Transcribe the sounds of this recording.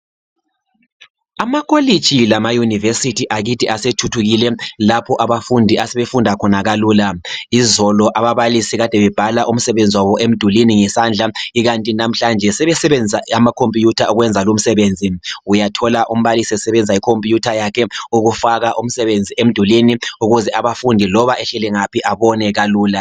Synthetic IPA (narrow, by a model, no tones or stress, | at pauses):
amakʰoli̥t͡ʃʰʼilamajunivesitʰiʔaɣitʰiʔasetʰutʰuɣilɛlapʰɔʔaβafundʱiʔasɛβefundʱakʰɔnaɣaluːlaizɔlɔʔaβaβalisiɣad̥ʱɛβɛb̥ʱalaʔum̩sɛβend͡zʱiwaβɔʔem̩d̥ʱuliniŋɛsand͡ɮʱaiɣantʼinam̩ɬand͡ʒʱɛsɛβɛsɛβɛnd͡zʱaamakʰompʼjutʰauɣwɛnd͡zʱalum̩sɛβend͡zʱiujatʰɔlaʔum̩βalisiɛsɛβɛnd͡zʱaikʰompʼijutʰajakʰɛuɣufaɣaʔum̩sɛβend͡zʱiʔem̩d̥ʱuliniuɣuzɛʔaβafundʱilɔβaʔɛɬɛlɛŋapʰiʔaβɔnɛɣaluːla